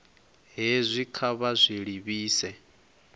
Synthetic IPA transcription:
ɦezʷikʰaβazʷiɺiβiːsɛ

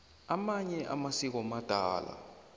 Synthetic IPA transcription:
amaɲɛʔa̰masik̬ɔmad̥ʱaːla̰

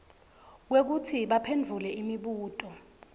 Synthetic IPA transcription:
k̬wek̬utʰiɓapʰendd͡ɮʱulɛimiɓuːtʼɔ

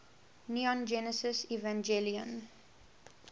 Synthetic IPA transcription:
nuɔ̃nd͡ʒɛnəsəsivãnd͡ʒeliə̰̃n

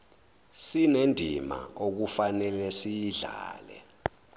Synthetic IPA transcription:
sinendʱima̰ok̬ufanɛlɛsijiɮaːlɛ̰

